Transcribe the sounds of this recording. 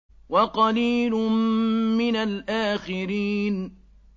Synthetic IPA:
wɑqɑliːlʊmmɪnalʔaːxɪɾiːn

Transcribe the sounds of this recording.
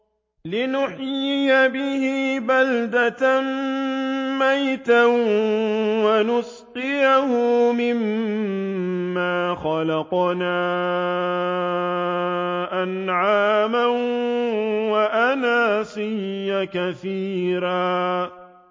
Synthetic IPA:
lɪnʊħjɪjabɪhɪbald̪at̪an | majt̪a | wanʊs | qɪjahʊmɪm | aːxɑlɑqnaː | ʔanʕaːma | waʔanaːsɪjːakaθiːɾaː

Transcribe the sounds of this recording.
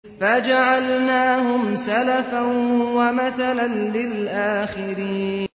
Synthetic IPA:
fad͡ʒaʕalnaːɦʊmsalafawamaθalanlɪlʔaːxɪɾiːn

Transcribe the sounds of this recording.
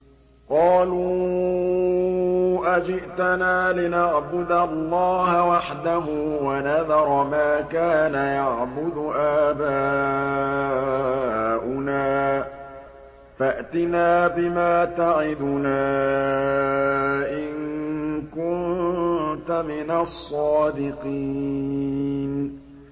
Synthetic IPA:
qɑːluː | ʔad͡ʒɪʔt̪anaːlɪnaʕbʊd̪allːɑːɦawaħd̪aɦuːwanaðɑɾˤmaːkaːnajaʕbʊd̪ʊʔaːbaː | ʔʊnaː | faʔat̪ɪnaːbɪmaːt̪aʕɪd̪ʊnaː | ʔɪnkʊn | t̪amɪnasˤːɑːd̪ɪqiː | n

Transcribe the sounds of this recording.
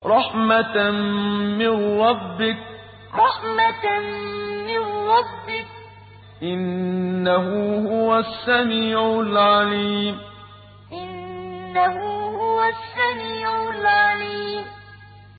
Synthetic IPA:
ɾˤɑħma | mɪnɾˤɑbːɪk̚ | ɾˤɑħma | mɪnɾˤɑbːɪk̚ | ʔɪnːaɦʊhʊwasːamiːʕʊlʕaliːm | ʔɪnːahʊhʊwasːamiːʕʊlʕaliːm

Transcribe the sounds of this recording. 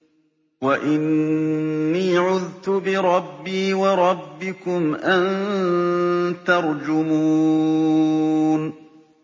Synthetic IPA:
waʔɪnː | iːʕʊðt̪ʊbɪɾˤɑbːiːwɑɾˤɑbːɪkʊmʔan | t̪ɑɾˤd͡ʒʊmuuː | n

